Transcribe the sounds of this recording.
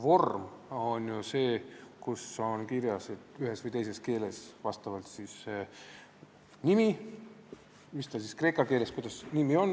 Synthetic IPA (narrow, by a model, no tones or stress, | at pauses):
vo̞rmo̞nʲjuse̞ːkusonkiɾjɑse̞t̪ˑyɦe̞svɯjt̪e̞jse̞ske̞ːle̞svɑst̪ɑvɑlt̪sis | nʲimi | mist̪ɑsiskre̞ːkɑke̞ːle̞skujd̪ɑsnimio̞nː